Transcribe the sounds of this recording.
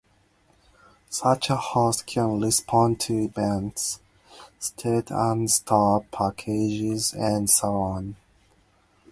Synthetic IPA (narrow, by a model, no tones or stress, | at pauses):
sʌt͡ʃəhoskʰə̃nlɪspʰɔ̃ntʰɨbæ̃nts | stʰetʰə̃nstʰɑɹpʰækʰed͡ʒɪzə̃nsoʊɔ̃n